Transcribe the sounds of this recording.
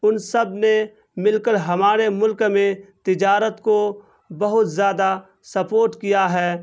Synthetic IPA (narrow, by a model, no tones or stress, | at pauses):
ʊnsɐbne | mɪlkəɾɦɐmaːɾemʊlkmẽt̪ɪd͡ʒaːɾət̪ko | bɐɦʊt̪zjaːd̪a | sɐpoːɾʈkijaɦɛː